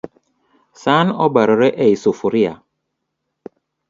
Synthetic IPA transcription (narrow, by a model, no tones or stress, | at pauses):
sanɔbaɾɔɾɛʔɛisofuɾia̰